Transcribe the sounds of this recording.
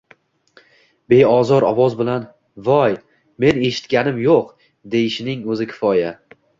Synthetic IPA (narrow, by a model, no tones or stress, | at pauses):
be̞ɒzɒɾɒvɒzbɪlan | vɒj | me̞ne̞ʃɪ̥t̪kʲanɪmjoq | d̪ejɪʃɪnɪŋɵzɪkʲʰɪ̥fɒja